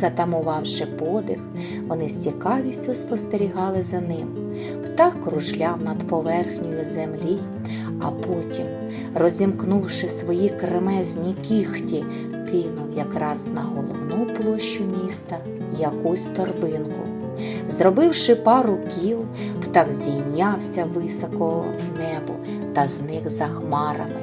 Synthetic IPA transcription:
zɐt̪ɐmʊʋɑwʃɪpɔd̪ɪx | ʋɔnɪsʲt͡sʲikɑʋʲisʲtʲʊspɔst̪eɾʲiɦɑlˠɪzɐnɪm | pt̪ɑkːɾʊʒlʲɑwnɐd̪pɔʋɛrxnʲijʊzemlʲi | ɐ̰pɔtʲim | rɔzʲimknuwʃɪsʋɔjikɾemɛzʲnʲikʲixtʲi | kɪnʊwjɐkɾɑznɐɦɔlˠɔwnuplˠɔʃt͡ʃːʊmʲist̪ɐ | jɐkusʲt̪ɔrbɪnkʊ̰ | zɾɔbɪwʃɪpɑɾʊkʲilˠ | pt̪ɑɡzʲijnʲɑwsʲɐʋɪsɔkɔ | nɛbʊ̰ | t̪ɐznɪxzɐxmɑɾɐ̰mɪ

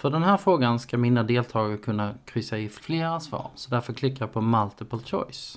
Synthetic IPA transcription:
fœɖɛnɦæːɾfɾoːɡanskamiːnad̪eːlt̪ʰɑːɡəkʰɵnːakʰɾʏsːaɪfleːɾasvɑ̰ːɾsɔd̪æɾfœɾkʰlɪkːajapʰɔmalt̪əpɔlt͡ʃʰɔ̰js

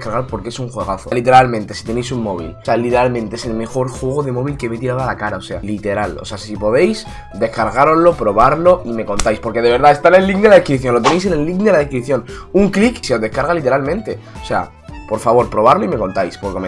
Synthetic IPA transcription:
kaɾɣaɾpo̞ɾkeesuŋxwe̞ɣ̞aθolit̪̬e̞ɾalmẽ̞nt̪e̞si̥t̪e̞ne̞js̬uŋmo̞β̞ḭlsealit̪eɾalmẽnt̪eese̞lme̞xo̞ɾxwe̞ɣ̞o̞ðe̞mo̞β̞ilke̞met̪iɾaðalakaɾao̞se̞alit̪e̞ɾalose̞asipo̞ðe̞js | d̪e̞hkaɾɣaɾozlo̞pɾo̞βaɾlo̞ime̞ko̞nt̪ajspo̞ɾke̞ð̞e̞βe̞ɾðae̞st̪ane̞lːik̚d̪elaðeskɾiθjo̞nlo̞t̪ene̞js̬e̞ne̞lːiknd̪e̞laðehkɾiθjo̞nuŋklikseo̞zðe̞hkaɾɣalit̪e̞ɾalmẽnt̪e̞ose̞a̰ | po̞ɾfaβo̞ɾpɾo̞βaɾloime̞ko̞nt̪ajspo̞ɾkeme

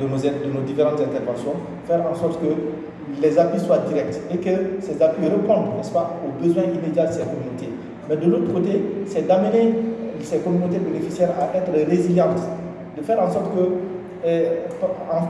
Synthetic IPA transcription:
d̪ənozɛtd̪ənod̪ifeɾɑ̃t̪zɛ̃nt̪ɛɾvɑ̃sjɔ̃ | fɛɾɑ̃sɔɾt̪kə | lɛzapɥiswad̪iɾɛk̚t̪ekəsɛzapiɾəpɔ̃nd̪nɛspaobəzwɛ̃ʔimed̪jald̪əsɛkɔmynot̪e | mɛd̪əlot̪ɾəkot̪esɛd̪amənesɛkɔmynot̪̬ebenefisjɛɾaʔɛt̪ɾəɾeziljɑ̃s | d̪əfɛɾɑ̃sɔɾt̪̚kə | ɑ̃

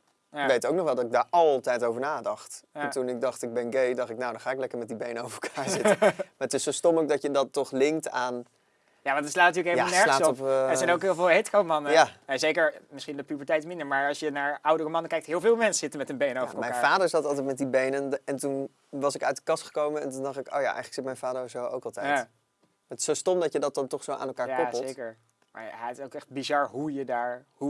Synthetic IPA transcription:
ʋejtowknɔχʋɛlˠdɑtɪɡ̚daːɹɑlˠtɛjtowvəɹnaːdɑχtɛntunɪɡ̚dɑχtɪɡ̚bɛnɡejdɑχtɪknawdɑ̃nχaːɪklɛkəɹmɛt̚dibejnəowvəɹɛl̩ˠkʰaːɹzɪtəmaːɹtɪsːowstɔmowk̚dɑtjədɑtːɔχlɪŋktaːn | jaːʋɑntətslaːtnɐtyːɹləkejljanɛsɹlaəːsɔpɛzɛjnowkɦɪːlˠvɪːlˠɦetkowmɑnəjjaɛzejkəɹmɪsχindəpybəɹtɛjtmɪndəɹmaːɹɑlˠʃjənaːɹʔʌwdərəmɑnəkɛjk̚tɦɪːlˠvɪːlˠmɛnsəzɪtənmɛtənbejnəowəɹəlmɛkaːɹaːdəɹzɑltɑlˠtɛjtmɛt̚dibejnənɛntun | ʋɑsɪkœɥt̚dəkɑstχə̥kowmənɛntundɑχtɪko̰ːja̰ʔɛ̰jχələksɪtmɛjnfaːdəɹzowo̰wkɑlˠtɛjja | ətɪ̥sowstɔmdɑcjədɑt̚dɑntɔχsowʔa̰ːnɛlˠkaːjaɔpəzlˠetjkəɹ | ma̰ɹɛɪsowkɛχd̚bizɑɹɦujədaːɹhu

